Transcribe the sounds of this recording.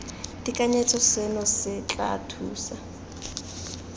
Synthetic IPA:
dikʼaɲɛtʰɔsenɔsɪt͡ɬʼa̰tʰuːsa

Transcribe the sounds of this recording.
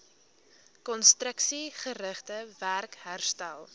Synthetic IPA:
kɔnstrəksiχəɾəχtəværkɦærstælˠ

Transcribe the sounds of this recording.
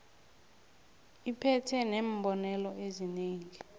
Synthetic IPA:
ipʰɛtʰɛnembʱɔnɛlɔezineːŋi

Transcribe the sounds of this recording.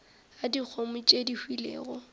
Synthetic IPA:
adik͡xʰomʊt͡ʃʼedihwilḛːɣɔ

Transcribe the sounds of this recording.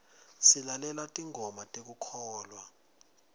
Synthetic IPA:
silalɛlwatʼiŋʱɔmatʼek̬ukʰɔːlwa

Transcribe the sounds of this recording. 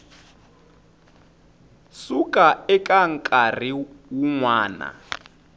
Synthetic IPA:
sukʼaɛkʼaŋkʼar̤iwuŋwaːna̰

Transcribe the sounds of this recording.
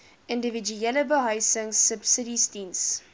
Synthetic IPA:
ɪ̃ndəvid͡ʒuɛləbəɦɐjsəŋsəbsəɾistins

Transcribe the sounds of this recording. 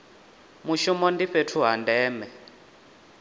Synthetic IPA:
muʃumɔndiɸetʰuɦandɛːmɛ

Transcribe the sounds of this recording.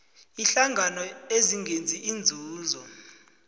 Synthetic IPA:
iɬaŋɡʱanɔeziŋɡʱend͡zʱiʔind͡zʱuːzɔ

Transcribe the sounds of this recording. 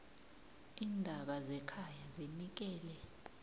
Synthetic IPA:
iːndʱaɓazɛkʰajazinik̬ɛːlɛ

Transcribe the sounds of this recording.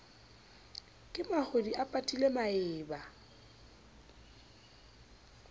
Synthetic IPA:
kʼɪmaχodiʔapʼatʼilemaɪːba

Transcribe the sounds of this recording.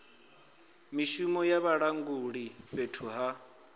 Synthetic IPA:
miʃumɔjaβaɺaŋɡuɺiβetʰuɦa

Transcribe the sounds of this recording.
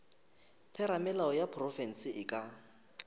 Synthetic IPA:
tʰɛɾamɛlaɔjapʰrɔfɛn̩sɪɪkʼa

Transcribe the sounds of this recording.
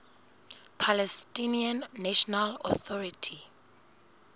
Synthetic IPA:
pʰalɛstiniãnːaʃɔnalɔθɔɹitʰi

